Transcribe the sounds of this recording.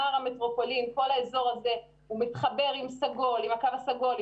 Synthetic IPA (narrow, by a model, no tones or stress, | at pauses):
aʁametʁo̞polimko̞laezo̞ʁaze̞ | umitχabe̞ʁimsaɡo̞limakavasaɡo̞l